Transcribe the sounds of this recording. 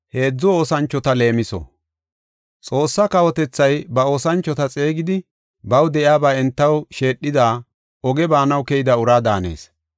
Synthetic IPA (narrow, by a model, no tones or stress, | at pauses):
he̞ːd͡zːʊo̞ːsɐnt͡ʃːɔt̪ɐle̞ːmɪsɔ̰ | t͡sʼo̞ːsːɐkɐwɔt̪ɛt͡sːɐjbɐo̞ːsɐnt͡ʃːɔt̪ɐt͡sʼe̞ːɡɪd̪ɪ | bɐwd̪ɛʔɪaːbaːɛnt̪ːɐwʃe̞ːɗːɪd̪aː | ɔɡɛbaːnɐwkɛjɪd̪ɐʊɾaːd̪aːne̞̰ːs